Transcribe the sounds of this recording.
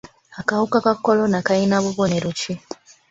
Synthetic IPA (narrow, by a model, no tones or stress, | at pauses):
akahukakakːolonakainaβuβoneɾut͡ʃi